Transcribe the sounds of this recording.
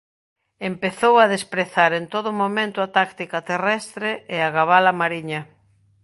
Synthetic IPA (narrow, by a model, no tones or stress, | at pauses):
empeθowaðespɾeθaɾent̪oðʊmomẽnt̪ʊɐt̪akt̪ikat̪erɛst̪ɾeʔeaɣaβalɐmaɾiɲɐ